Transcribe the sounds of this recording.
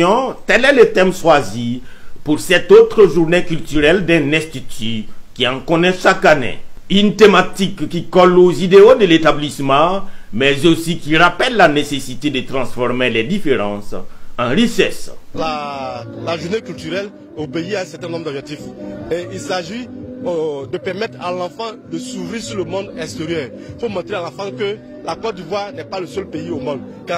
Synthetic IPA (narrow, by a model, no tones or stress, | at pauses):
ɔ̃t̪ɛlɛlət̪ɛmswazipuʁsɛt̪ot̪χəʒuʁnekylt̪yʁɛld̪ɛ̃nɛ̃st̪it̪ykiãkɔnɛʃakanḛynt̪emat̪ikːikɔlozid̪eod̪əlet̪ablismɑ̃mɛzosikiʁapɛlːanesesit̪ed̪ət̪ʁɑ̃sfɔʁmelɛd̪ifeʁɑ̃sɑ̃ʁiʃɛsla | laʒuʁnekylt̪yʁɛl | obeiaɛ̃sɛʁt̪ɛ̃nɔ̃md̪ɔbʒɛk̚t̪ifeilsaʒi | d̪əpɛʁmɛt̪ʁalãfɑ̃d̪əsuvʁiʁsyləmɔ̃d̪ɛ̃st̪eʁjœːʁ | ifomɔ̃t̪ʁealãfɑ̃kə | lakɔt̪̚d̪ivwaʁnɛpaləsœlpeiomɔ̃d̪̚ | ka